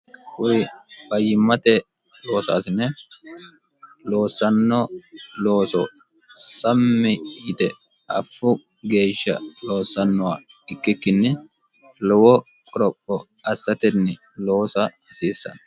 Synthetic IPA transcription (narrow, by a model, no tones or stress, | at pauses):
kʼʊɾɪfɐjːɪmɐt̪ɛ | lo̞ːsa̰ːsɪnɛ | lo̞ːsːɐnːɔloːsɔ | sɐmːɪjɪt̪ɛ | ɐfːʊ | ɡe̞ːʃːɐ̰lo̞ːsːɐnːɔwa | ɪkːɪkːɪnːɪ | lɔwɔ | kʼɔɾɔkʼːɔ | ɐsːɐt̪ɛnːɪ | lo̞ːsɐɐsiːsːɐ̰nɐ